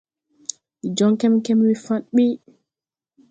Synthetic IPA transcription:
id͡ʒɔŋkɛmkɛmwifaɗɓi

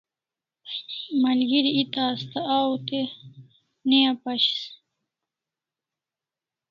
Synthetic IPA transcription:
mɐlɡiɾiit̪aːst̪aawt̪e | nejapɐɕi̥s

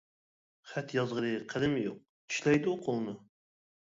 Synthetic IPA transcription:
χæt̪jɑzʁəɾɨqʰəd̪ɪmɪjo̰q̚t̪ʰy̥ʃlɛjd̪uqʰolˠnʊ

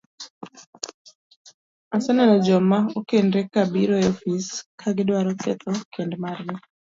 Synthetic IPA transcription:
asɛnanɔd͡ʒɔmaokendɾekabiɾɔofiskʰaɡɪdwaɾɔkɛ̰t̪ɔkendmarnɪ

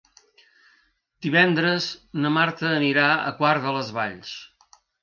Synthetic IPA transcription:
d̪̥iβɛnd̪ɾəznəmaɾt̪əːniɾaə̰kwaɾðələzβa̰ʎs

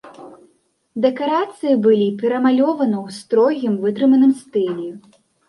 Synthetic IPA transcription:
d̪ɛkaɾat̪sɨjibɨlʲipʲɛɾɐmalʲɔvɐnɐwst̪ɾɔɣʲimvɨt̪ɾɨmɐnɨmst̪ɨlʲɛ

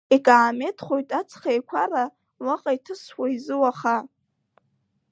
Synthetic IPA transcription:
ikʼaːme̞tʰχo̞jtʼat͡sʰχejkʷʰara | waqʼaitʰɨswaizɨwaχa

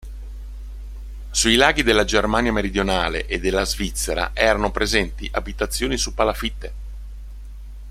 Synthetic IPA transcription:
suilaːɡid̪elːad͡ʒermaːnjameɾid̪jonaːlḛʔed̪ːelːazvit̪sːeɾa̰ʔɛːɾanopɾezɛnt̪ḭʔabit̪at̪sːjoːnisupːalafit̪ːe

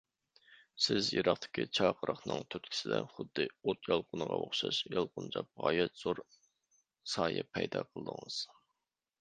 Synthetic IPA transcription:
sɪzjeɾɑχt̪ʰɪ̥kʲʰit͡ʃʰɑqʰəɾɑχnɨŋt̪ʰyt̪̚kʲʰɪ̥sɪd̪ɛχʊd̪ːɨot̪jɑlˠqʰʊnəʁɑʔoχʃɑʃjɑlˠqʊnt͡ʃʰɑp̚ʁɑːjɛt̪z̥oɾ | sɑːjɨpʰɛjd̪ɑqʰəlˠəd̪əŋɨz̥

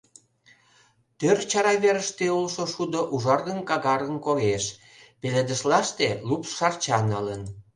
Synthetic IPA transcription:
t̪ørt͡ɕɑɾɑβeɾəʃt̪eolʃoʃud̪oʔuʒɑrɣənkɑɣɑɾənkoɣeʃ | peled̪ə̆ʃlɑʃt̪elupʃɑrt͡ɕɑnələn

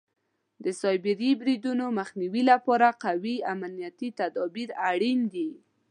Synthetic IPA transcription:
d̪əsɑjbɪɾibɾid̪unoməxniwilapɑɾaqawiamanijat̪it̪ad̪ɔbiɾaɽind̪i

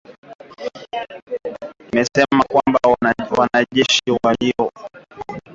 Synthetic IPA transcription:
imɛsɛmakwambawanaʄɛʃiwaliɔ

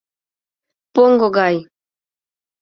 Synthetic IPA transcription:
poŋɡoɡaj

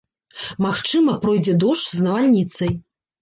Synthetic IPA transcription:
maxt͡ʂɨmɐpɾɔjd͡zʲɛd̪ɔʂznɐvalʲnʲit̪sɐj

